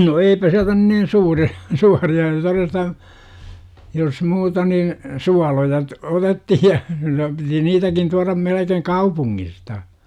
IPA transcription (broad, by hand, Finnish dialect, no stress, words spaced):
no eipæ siæltæ nyn nin suːriɑ̥ suːriɑ torestɑ jos muːtɑ nin suɑlojɑ t otetːihi jɑ piti niːtækin tuɑrɑm melekeŋ kɑupuŋːistɑ